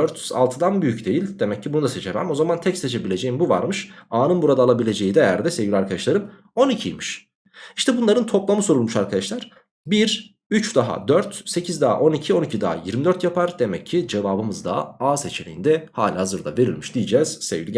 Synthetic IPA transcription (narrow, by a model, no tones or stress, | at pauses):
øɾt̪a̰lˠt̪ʰɯd̪anbyjycd̪e̞jilʲd̪e̞mɛcʰːibunud̪aset͡ʃʰe̞mæ̰mo̞zamant̪ʰɛcse̞t͡ʃʰe̞bilʲe̞d͡ʒe̞jimbuva̰ɾmɯʃaːnɯnbuɾad̪aːlˠabilʲe̞d͡ʒe̞jid̪ɛjæ̰ɾd̪ɛse̞vɟilʲaɾkʰad̪aʃlˠaɾɯn | o̞nicʰḭjʲmiʃ | iʃt̪ʰɛbunlˠaɾɯnt̪ʰo̞plˠamɯso̞ɾulˠmuʃaɾkʰad̪aʃlˠaɾ̥ | biɾ | yt͡ʃd̪aɦa̰d̪øɾt̪se̞cʰizd̪aɦa̰ʔo̞nicʰio̞nicʰid̪a̰ɦa̰jiɾmid̪øɾt̪japʰaɾd̪e̞mɛcʰːid͡ʒe̞vaːbɯmɯzd̪a̰aːse̞t͡ʃʰelʲejind̪ɛhaːlʲihazɯɾd̪a̰ve̞ɾilʲmiʃd̪̥ijed͡ʒɛːz̥sevɡʲilʲi